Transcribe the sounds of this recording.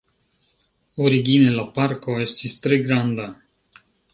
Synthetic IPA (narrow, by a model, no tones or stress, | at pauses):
oɾiɡinelapaɾko̞e̞st̪ist̪ɾe̞ɡɾand̪a